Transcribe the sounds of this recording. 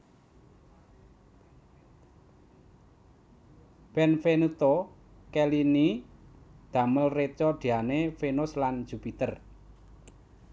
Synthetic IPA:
b̥ɛnfenut̪o | kɛlini | d̪̥a̤məlret͡ʃɔd̪̥i̤anefenʊsland͡ʒ̥upit̪ər

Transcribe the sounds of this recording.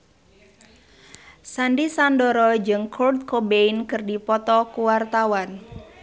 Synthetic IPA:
sandisandɔɾɔd͡ʒɨŋkʰɔrd̪̚kobeinkɨrdipɔt̪ɔkuwart̪awan

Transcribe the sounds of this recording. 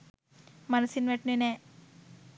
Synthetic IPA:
mɐnɐsinʋeʈnune

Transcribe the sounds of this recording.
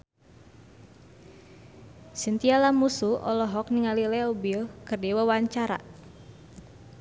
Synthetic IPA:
sint̪ialamusuʔɔ̰lɔɦɔk̚niŋalilɛɔbilkɨrdiwawaɲt͡ʃaɾa̰

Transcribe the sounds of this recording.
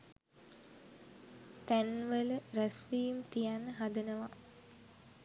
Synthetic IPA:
t̪ænʋələɾæsʋiːjumt̪ijanːəɦad̪ənəʋa

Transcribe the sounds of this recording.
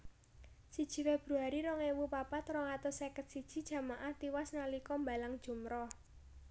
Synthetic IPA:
sid̥ʒ̥i̤web̥ɾṳaɾiɾɔŋewupapat̪rɔŋat̪ɔsekət̪̚sid̥ʒ̥i̤d̥ʒ̥ä̤maʔaht̪iwasnalikɔmbalaŋd̥ʒ̥ṳmɾɔh

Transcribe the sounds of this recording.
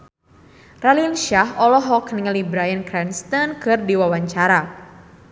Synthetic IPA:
ralilʃaɦɔlɔɦɔkniŋəlibɾajankɾɛnst̪ɔnkɨrdiwawaɲt͡ʃaɾa

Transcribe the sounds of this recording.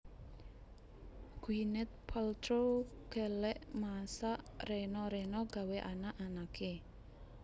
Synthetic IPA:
ɡ̥uinɛt̪̚pʰalt̪ɾokelɛʔmasaʔrenɔɾenɔɡ̥a̤weʔa̰naʔanakʰe

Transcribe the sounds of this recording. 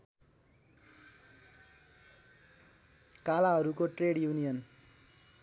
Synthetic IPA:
kalaɦʌɾukoʈreɽjunijʌn

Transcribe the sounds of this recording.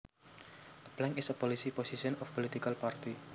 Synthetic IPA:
əblɛŋɪsəpɔlisipɔsiʃɔnɔfpɔlit̪ikalpart̪i

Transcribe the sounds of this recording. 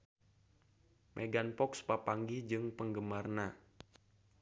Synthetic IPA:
mʔeɡanpɔkspapaŋɡid͡ʒɨŋpəŋɡəmarna

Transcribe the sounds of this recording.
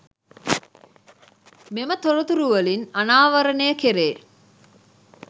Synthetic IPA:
memət̪oɾut̪uɾuʋəlinanaːʋɐɾənejəkeɾeː

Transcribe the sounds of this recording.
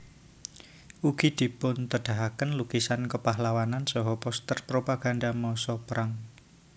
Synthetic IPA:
ʔuɡ̥i̤d̪̥i̤pʊnt̪əɖ̥a̤ɦakənluɡ̥isankəpaɦlawanansɔɦɔpɔst̪ərpɾopaɡ̥a̤ndamɔsɔpəɾʔaŋ

